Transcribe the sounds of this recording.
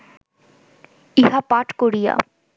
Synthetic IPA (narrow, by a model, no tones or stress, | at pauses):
iɦapaʈkoɾija̰